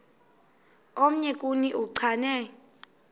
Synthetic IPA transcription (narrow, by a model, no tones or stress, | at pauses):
om̩ɲɛkʼuniʔuǀʰanɛ